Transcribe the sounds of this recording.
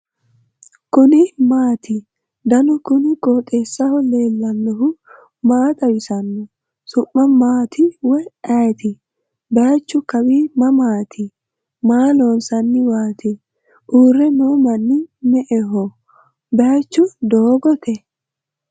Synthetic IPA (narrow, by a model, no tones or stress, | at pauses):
kʊnɪmaːt̪ʰɪ | d̪ɐnɔkʊnɪɡʼoːt̪ʼeːsːɐhɔleːlːɐnːɔhʊ | maːt̪ʼɐwɪsɐnːɔ | sʊmːɐmaːt̪ʰɪwɛɐjt̪ʰɪ | bɛjat͡ʃːʊkɐbimɐmaːt̪ʰɪ | maːlonsɐnːɪwaːt̪ʰɪ | ʔuːɾːɛnoːmɐnːɪmɛʔɛɦɔ | bɛjat͡ʃːʊd̪oːɡɔt̪ʰɛ